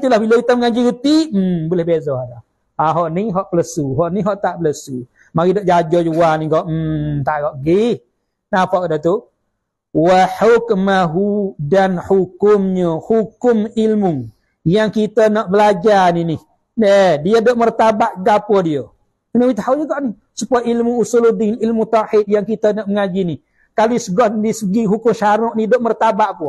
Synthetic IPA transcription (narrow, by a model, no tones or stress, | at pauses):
t̪ulahbiləit̪əmŋaɲd͡ʒiɡət̪ibulɛhbezɔhada | aɦoʔniɦɔʔpələsuɦɔʔniɦɔʔt̪aʔpələsu | maɾidoʔd͡ʒad͡ʒɔd͡ʒuwaniɡɔʔ̩t̪aʔɡɔʔɡih | napɔʔkdət̪u | waħukmaɦudanhukʊmɲəhukʊmilmu | jaŋkit̪ənɔʔbəlad͡ʒaninih | ədiədoʔmərt̪abaʔɡapədiə | nəwit̪haud͡ʒəɡɔʔni | supajəilmuusuludinilmut̪aħit̪̚jaŋkit̪ənɔʔməŋad͡ʒinih | kalisəɡɔhdisəɡiɦukʊmʃaɾʊʔnidoʔmərt̪abaʔpu